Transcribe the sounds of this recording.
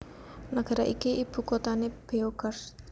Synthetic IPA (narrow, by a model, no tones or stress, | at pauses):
naɡ̥a̤ɾaʔikiʔib̥ṳkot̪aneb̥eoɡər